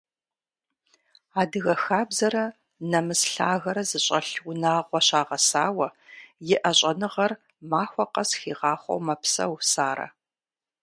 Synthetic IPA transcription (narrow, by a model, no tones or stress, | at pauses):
aːdɨɣɐxaːbzɐɾɐ | nɐmɨsɬa̰ːɣɐɾɐzɨɕʼɐɬwʊnaːqʷɔɕaːʁɐsaːwɐjɪʔɐɕʼɐnɨʁɐr | maːxʷɔqɐsxiːʁɑːχʷo̰wmɐpsɐ̰wsaːɾɐ̰